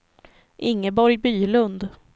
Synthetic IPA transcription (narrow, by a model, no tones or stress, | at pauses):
ʔɪŋːəbɔɾjbyːlɵnd̪